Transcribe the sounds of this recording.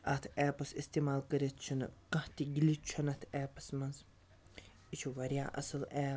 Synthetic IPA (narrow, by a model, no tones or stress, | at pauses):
ɐt̪ʰɛːpɐsist̪eːmaːlkɐɾet̪̚ʰt͡ʃʰinkɐht̪iɡilʲit͡ʃʰɐnɐt̪ʰɛːpɐsmɐnz | it͡ʃʰuʋɐɾʲja̰ːʔɐ̰sɨlɛː